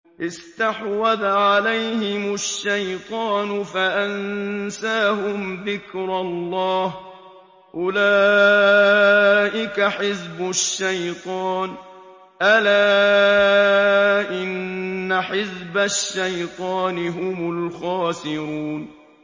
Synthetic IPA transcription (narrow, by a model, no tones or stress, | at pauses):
ʔɪst̪aħwaðaʕalajhɪmʊʃːajt̪ˤɑːnʊfaʔansaːhʊmðɪkɾˤɑlˤːɑːh | ʔʊlaː | ʔɪkaħɪzbʊʃːajt̪ˤɑːn | ʔalaː | ʔɪnːaħɪzbaʃːajt̪ˤɑːnɪɦʊmʊlxɑːsɪɾuːn